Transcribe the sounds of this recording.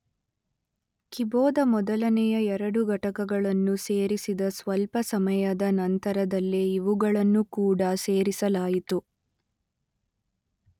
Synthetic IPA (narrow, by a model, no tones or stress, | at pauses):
kibɔːd̪ɐmɔd̪ɐlɐnɛjɐɛɾɐɽuɡɐʈɐkɐɡɐɭɐnːuseːɾisid̪ɐsʋɐlpɐsɐmɐjɐd̪ɐnɐnt̪ɐɾɐd̪ɐlːeiʋuɡɐɭɐnːukuːɽɐse̞ːɾisɐlaːjit̪u